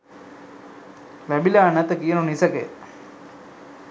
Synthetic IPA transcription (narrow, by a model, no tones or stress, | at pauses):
ʋæbilaːnæt̪əkijənunisəkḛ